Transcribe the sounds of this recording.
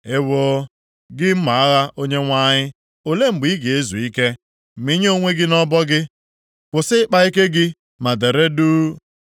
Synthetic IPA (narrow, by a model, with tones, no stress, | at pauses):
e˦wo˦ | ɡɪ˦m̩˦ma˨a˦ɣa˦ʔo˦ɲe˦ŋʷa˦ɲɪ˦ | o˨le˦ŋ͡m̩˨ɡ͡bi˨˦ɡe˨e˦zu˨i˦ke˦ | m̩˨mi˦ɲ˦o˦ŋʷe˦ɡɪ˦nɔ˦bɔ˦ɡɪ˦ | kʷʊ˨sɪ˦k͡pa˦i˦ke˦ɡɪ˦ | ma˨de˨ɾe˦duː˦